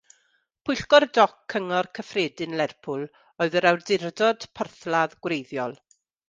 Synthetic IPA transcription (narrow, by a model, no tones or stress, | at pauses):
pʰʊjɬɡɔrdɔkʰːəŋɔrkʰəfreːdɪnlɛrpʰʊlˠ | ɔɨðəɾawrdɪrdɔd̥pʰərθlˠaðɡ̥wrejðjɔlˠ